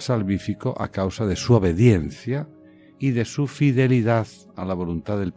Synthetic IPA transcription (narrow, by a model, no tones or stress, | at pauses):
salβifikoʔa̰kawsaðe̞suoβ̞e̞ðjenθja | iðe̞sufiðe̞liðað | a̰laβ̞o̞lunt̪aðe̞lp